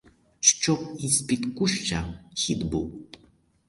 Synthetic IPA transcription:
ʃt͡ʃɔkispʲit̪kuʃt͡ʃaxʲid̪buw

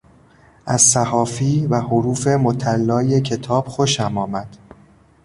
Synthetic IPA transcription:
ʔæzsæhɒːfiːvæhoɾuːfe̞mot̪ʰælːɒːje̞cʰe̞t̪ʰɒːb̥xo̞ʃæmɒːmæd̪̥

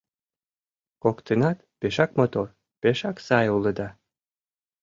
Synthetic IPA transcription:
kokt̪enɑt̪peʃɑkmot̪or | peʃɑksɑjuləd̪ɑ

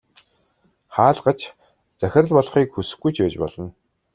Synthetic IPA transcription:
χaːɮɢə̆t͡ɕ | t͡sæxʲɪ̆rə̆ɮpɔɮ̆χiːkxusɘ̥̆xɡɡujt͡ɕʰpæːt͡ɕpɔ̰ɮ̥ɞ̆n

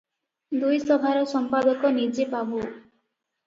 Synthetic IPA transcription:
d̪ujsɔbʱaɾɔsɔmpad̪ɔkɔnid͡ʒebabu

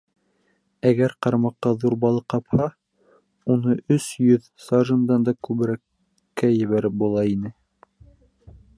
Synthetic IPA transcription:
æɡæɾqɑɾmɑqːɑðuɾbɑlˠɤqɑphɑ | unɤʔɵsjɵð | sɑʒɤ̆nd̪ɑnd̪ɑkʉβɘ̆ɾækː | æjɘ̆βæɾɘp̚bulˠɑinɘ

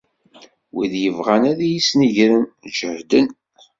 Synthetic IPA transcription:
wiðjəvʁænæðæjisniʝɾənd͡ʒəɾd̪ən

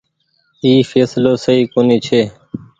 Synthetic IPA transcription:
iːfeːsloːsəiːkoːniːt͡ʃʰeː

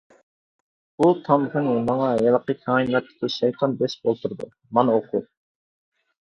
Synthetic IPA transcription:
ut̪ʰɑmχɛnmɑŋɑjɑlˠəqəkʲʰɑːinlɛt̪ʰːɪ̥kʲiʃɑjqʰɑnbɛʃbolˠt̪ʰuɾd̪ṵ | mɑnoqʰu

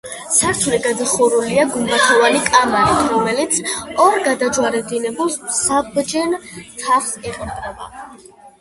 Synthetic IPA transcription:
saɾt͡ʃʰulɛɡad̪aχɔɾuliaɡumbat̪ʰɔvanikʼamaɾit̪ʰɾɔmɛlit̪sʰɔɾɡad̪ad͡ʒwaɾɛb̚d̪inɛbulˠssabd͡ʒɛnt̪ʰaχsɛqʼɾt̪ʼɾɛba̰

